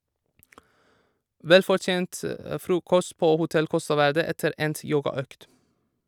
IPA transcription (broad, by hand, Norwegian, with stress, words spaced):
ˈʋɛlfɔɹˌt͡ʃeːnt ə ˈfɾuːkɔst ˈpoː hʊˈtɛl ˈkɔstɑ ˈʋæɹdə ˈɛtəɾ ˈɛnt ˈjoːɡɑˌøːkt